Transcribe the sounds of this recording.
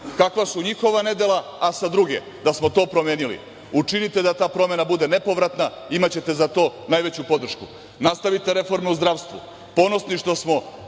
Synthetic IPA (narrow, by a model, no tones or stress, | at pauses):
kakʋasuɲixo̞ʋane̞d̪e̞lˠaːsad̪ɾuɡe̞̰ | d̪asmo̞t̪o̞ːpɾomjeːnilḭ | ut͡ʃinit̪e̞d̪at̪aːpɾo̞me̞nabud̪e̞ne̞po̞ʋɾat̪na | imat͡ɕe̞t̪e̞zat̪o̞ːnajʋe̞t͡ɕupo̞d̪r̩ʃku | nast̪aʋit̪e̞ɾe̞fo̞ɾmeuzd̪ɾaʋst̪ʋṵ | po̞no̞sniʃt̪o̞smo̞